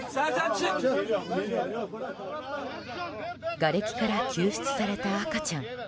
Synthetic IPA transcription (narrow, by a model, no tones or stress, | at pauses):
ɡaɾe̞kʲi̥kaɾakʲʰɨːɕi̥t͡sɨ̥saɾe̞t̪aːkat͡ɕãŋ